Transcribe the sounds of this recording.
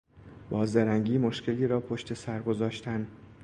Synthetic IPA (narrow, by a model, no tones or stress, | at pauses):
b̥ɒːzd̪æɾæŋɟiːmoʃcʰe̞liːɾɒːpʰo̞ʃt̪ʰe̞sæɾɡo̞zɒːʃt̪ʰæn